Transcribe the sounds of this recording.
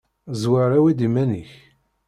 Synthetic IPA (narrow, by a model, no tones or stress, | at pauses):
zwaɾˤawid̪imæniç